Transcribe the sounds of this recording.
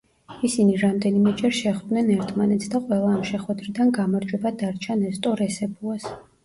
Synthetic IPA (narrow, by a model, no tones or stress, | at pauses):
isiniɾamd̪ɛnimɛd͡ʒʼɛɾʃɛχd̪nɛnɛɾt̪ʰmanɛt̪sʰd̪aqʼwɛlˠaːmʃɛχwɛd̪ɾid̪anɡamaɾd͡ʒʼwɛbad̪aɾt͡ʃʰanɛst̪ʼɔɾɛsɛbuas